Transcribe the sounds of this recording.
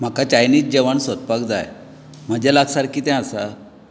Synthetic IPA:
m̤akat͡ɕajniːt͡sd͡ʑeʋaɳsət̪̚pakd͡za̰j | m̤əd͡ʑalaɡsaɾkʰiːt̪ɛ̃asa

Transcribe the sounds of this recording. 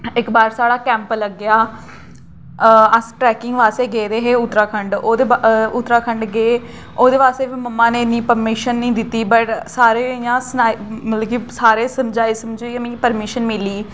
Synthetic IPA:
ɪkbaːɾsaːɽaːkɛ̃ːmpləɡːɪjaː | əsʈɾɛːkɪŋɡʋaːst̪eːɡeːd̪eːɦeːʊt̪ːɾaːkʰəɳɖoːd̪eːʊt̪ːɾaːkʰəɳɖɡeː | oːd̪eːʋaːst̪eːʋiːməmːãːneːɪnːiːpəɾmɪʃənːĩːd̪ɪt̪ːiːbəʈsaːɾeːɪjãːsənaːimələkiːsaːɾeːsəmd͡ʒaːiːsəmd͡ʒiːnĩpəɾmɪʃənmɪliː

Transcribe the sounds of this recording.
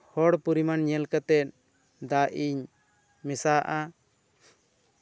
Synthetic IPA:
hɔɽpuɾimanɲɛlkat̪ɛt̪̚ | d̪aʔiɲ | mɛsaʔa

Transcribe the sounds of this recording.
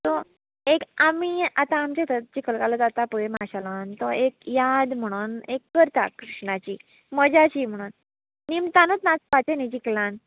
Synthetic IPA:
t̪ɔ | ekamiat̪aːmt͡ɕet̪ət̪̚d͡ʑikʰəlkalət̪at̪apəemaɕalant̪ɔekjad̪m̤əɽ̃uːnekːəɾt̪a̰kɾiʂɳat͡ɕiː | məd͡ʑat͡ɕiːm̤əɽ̃uːnː | imt̪anət͡snat͡spat͡ɕened͡ʑiklãn

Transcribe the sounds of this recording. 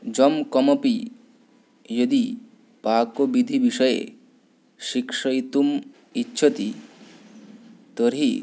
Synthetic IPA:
d͡ʒɔmkɔmɔpi | jod̪i | pakobid̪ʱibiʃɔjḛ | ʃikʃɔjt̪um | itːʃʰɔt̪i | t̪ɔɾɦi

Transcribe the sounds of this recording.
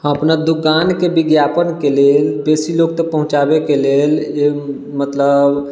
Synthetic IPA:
ɦə̃əpnad̪ukaːnkebɪɡjapənkeleːlbeːsiloːɡ̚t̪əpəɦʊ̃t͡ʃabekeleːle | mət̪ləb

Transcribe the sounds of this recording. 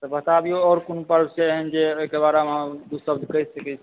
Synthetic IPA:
t̪əbət̪abioɔːɾkonupəɾbseɦənd͡ʒeokebaɾemɦə̃d̪usəbd͡ʒkəɦsəkɛt͡ʃʰ

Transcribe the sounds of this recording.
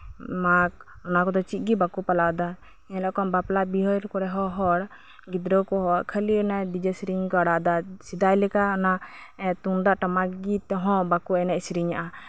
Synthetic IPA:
mak̚ | ɔnakɔd̪ɔt͡ʃit̪̚ˀɡibakupalad̪a | ɛlakɔnbaplabiɦɔjɾkɔɾɛɦɔɦɔɾ | ɡid̪ɾɔkɔɦɔʔkʰəlinad̪id͡ʒəsɾiɲkɔaɽad̪asid̪ajlɛkaɔnat̪und̪aʔʈamakɡit̪ɦɔ̃bakuɛnɛʔsɾiɲaʔa

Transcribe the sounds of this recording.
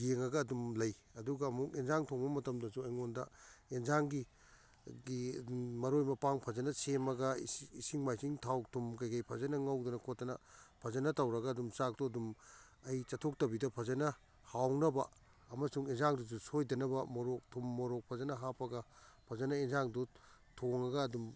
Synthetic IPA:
ɡeŋɐɡɐːdumlɐjɐduɡɐːmukenzaŋtʰoŋbɐmɐtɐmdɐsuɐjŋondɐ̰enzaŋɡi | ɡimɐɾojmɐpaŋpʰɐzɐnɐsemɐɡɐisiŋmajsiŋtʰawtʰumkɐjkɐjpʰɐzɐnɐŋɐwdɐnɐkʰotːɐnɐpʰɐzɐnɐtɐwɾɐɡɐːdumsak̚tuɐdum | ɐjt͡ʃɐtʰok̚tɐbidɐpʰɐzɐnɐ | hawnɐbɐ | ɐmɐsuŋenzaŋdus̬usojdɐnɐbɐmɔɾok̚tʰumːɔɾok̚pʰɐzɐnɐɦapɐɡɐpʰɐzɐnɐenzaŋdutʰoŋɐɡɐːdum

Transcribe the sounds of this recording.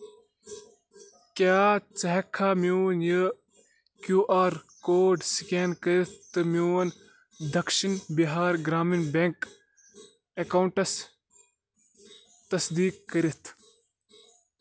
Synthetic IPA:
kaːt͡sɐɦɐkʰːaːmunjə | kjuːʔaːɾkoːɖsikeːnkəɾit̪̚ʰt̪ɨmjuːn | d̪ʱɐkʃinbiɦaːɾɡɾaːminbeŋk | ɐkɐuɳʈɐs | t̪ɐsd̪iːkːəɾit̪ʰ

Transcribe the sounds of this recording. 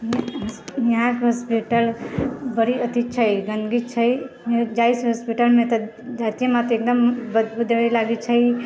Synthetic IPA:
nãkɦospiʈəlbəɾiət̪it͡ʃʰəjɡə̃nɡit͡ʃʰəjd͡ʒaisɦospiʈəlmẽt̪ə | d͡ʒat̪ijemãt̪ek̚d̪əmbəd̪bud̪ʱilaɡit͡ʃʰəj

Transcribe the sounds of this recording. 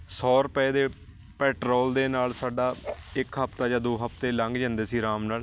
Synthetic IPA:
sɔːɾəpɛeːd̪eː | pɛːʈɾoːld̪eːnaːlsaːɖaːɪkɦəp̚ʰt̪aːd͡ʒãːd̪oːɦəp̚ʰt̪eːləŋɡd͡ʒə̃ːnd̪eːsiːɾaːmnaːl

